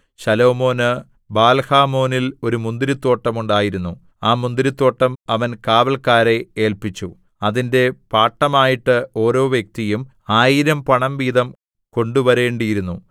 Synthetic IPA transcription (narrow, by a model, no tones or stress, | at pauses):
ɕɐlo̞ːmo̞ːnɨ | baːlhaːmo̞ːnilo̞ɾumund̪iɾit̪ːo̞ːʈːɐmuɳɖaːjiɾunːu | aːmund̪iɾit̪ːo̞ːʈːɐmɐʋɐnkaːʋɐlkaːɾe̞eːlpit͡ɕːu | ɐðinde̞paːʈːɐmaːjiʈːɨo̞ːɾo̞ːʋjɐk̚t̪ijum | aːjiɾɐmpɐɳɐmʋiːðɐm | ko̞ɳɖuʋɐɾe̞ːɳɖijiɾunːu